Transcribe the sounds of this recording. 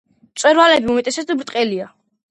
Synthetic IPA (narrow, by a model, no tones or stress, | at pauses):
tt̪sʼwɛɾvalɛbiumɛt̪ʼɛsɛsd̪abɾt̪ʼqʼɛlia